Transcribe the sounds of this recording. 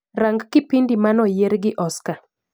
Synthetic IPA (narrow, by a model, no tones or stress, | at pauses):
ɾaŋɡkɪpindimanɔjeɾɡɪʔɔska